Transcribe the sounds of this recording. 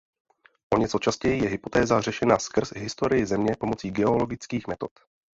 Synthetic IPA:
ʔo̞ɲɛt͡so̞t͡ʃascɛjijɛɦɪpo̞t̪ɛːzar̝ɛʃɛnaskr̩zɦɪst̪o̞ɾɪjɪzɛmɲɛpo̞mo̞t͡siːɡɛo̞lo̞ɡɪt͡skiːxmɛt̪o̞t̪

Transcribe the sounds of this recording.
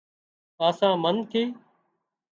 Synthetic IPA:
aːsãːmənt̪ʰiː

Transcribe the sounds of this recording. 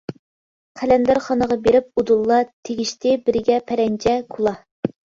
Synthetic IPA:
qʰælænd̪ɑɾχɑnəʁɑbeɾɪp̚ud̪ulˠːɑt̪ʰeɡʲiʃt̪ɪbɪɾɪɡʲɛpʰæɾɛnt͡ʃʰɛkʰulˠɑ

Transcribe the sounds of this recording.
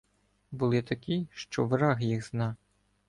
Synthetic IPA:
bʊlˠɪt̪ɐkʲiʃt͡ʃɔʋɾɑɦjiɣznɑ

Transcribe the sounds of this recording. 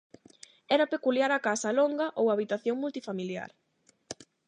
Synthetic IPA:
ɛɾɐpekuljaɾakasɐloŋɡɐʔowaβit̪aθjoŋmult̪ifamilja̰ɾ

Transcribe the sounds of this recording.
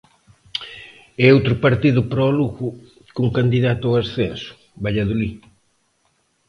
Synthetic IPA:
ɛowt̪ɾʊpaɾt̪iðʊpɾɔluɣʊ | kuŋkand̪iðat̪ʊɔasθensʊ̥ | baʎaðuli

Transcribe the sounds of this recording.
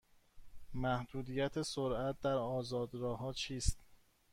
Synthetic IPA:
mæhd̪uːd̪ijæt̪ʰesoɾʔæt̪̚ʰd̪æɾɒːzɒːd̪ɾɒːhɒːt͡ʃʰiːst̪

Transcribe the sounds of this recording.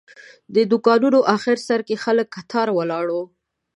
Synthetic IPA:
d̪əd̪ʊkɑnunoʔɑxɪɾsaɾkexaləkːat̪ʰɑɾwəlɑɽo

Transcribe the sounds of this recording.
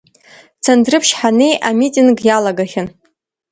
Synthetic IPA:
t͡sʰandrɨpʰʃħanejʔamitʼinɡjalaɡaχʲɪn

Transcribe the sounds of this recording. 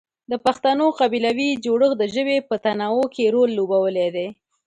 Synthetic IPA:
d̪əpaxt̪anoqabilawid͡ʒoɽəxd̪əʒəwepət̪anɑwokʰeɾolːobawəled̪e

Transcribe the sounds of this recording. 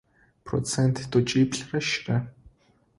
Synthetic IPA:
pʰrɔ̰t͡sent̪t̪ːʊt͡ɕipɮraʃra

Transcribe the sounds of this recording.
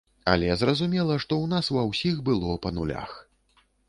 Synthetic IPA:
ɐ̰lʲɛzrɐzumʲɛlˠɐʂt̪ɔwnasvɐwsʲixbɨlˠɔpɐnulʲa̰x

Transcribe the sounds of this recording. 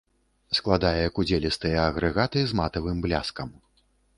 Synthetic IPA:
sklˠad̪ajɛjɐkud͡zʲelʲist̪ɨjɐːɣɾɨɣat̪ɨzmat̪ɐvɨmblʲaskɐm

